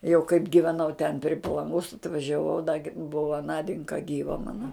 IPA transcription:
jɛʊ kɐɪp ɡʲɪʋʲɛˈnɐʊ tʲɛn pʲrʲɪ pɐlˠɐŋˈɡoːs ɐtʋɐʒʲɛˈʋɐʊ dɐ ɡʲɪ ˈbʊʋɐ ˈnɑːdʲɪŋkɐ ˈɡʲiːʋɐ ˈmɑːnɐ

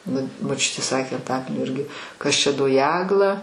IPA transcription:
ˈnʊ moːˈt͡ʃʲʊtʲeː ˈsɑːkʲeː ɐnˈtɑːkɐlʲnʲoː ˈɪrʲɡʲɪ ˈkɐs ˈt͡ʃʲɛ doː ˈjæːɡlˠɐ

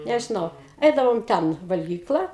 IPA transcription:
nʲɛʒʲɪˈnɐʊ ˈɛɪdɐʋoːm ˈtʲɛn ʋɐlʲɡʲiːˈklˠɐ

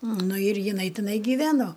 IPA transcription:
ˈnʊ ɪr jɪˈnɐɪ tʲɪˈnɐɪ ɡʲɪˈʋʲæːnoː

